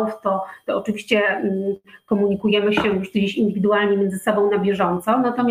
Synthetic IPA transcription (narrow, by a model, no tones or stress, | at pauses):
ft̪ɔt̪ɔɔt͡ʂɘvʲiɕt͡ɕɛ | kɔmuɲikujɛmɘɕɛjuʂt̪d͡ʑeɕind̪ɘvʲid̪ualɲemʲjɛnzɘsɔbɔ̃w̃nabʲjɛʐɔnt̪sɔnat̪ɔmʲ